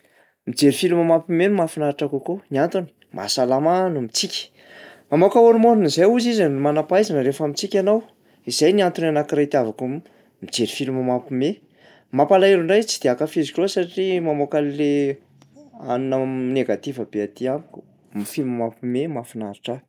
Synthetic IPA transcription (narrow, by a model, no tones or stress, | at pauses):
mid͡zeɾifilumamapimenmafinaɾʈ͡ʂakukoniant̪uni̥ | mʔa̰salamanumit͡sikʲi̥ | mamokaoɾumoɾinizajuzizənimanapajzanəɾefamit͡sikʲanaw | izajniant̪unanakiɾat̪iavakum | mid͡zeɾifilumamapime | mapalaeluɳɖ͡ʐajt͡sid̪̥eakəfizikosaʈ͡ʂimamokalle | a̰nunaneɡat̪ivəbeat̪iaŋku̥ | mifilumamapimemafinaɾaʈ͡ʂa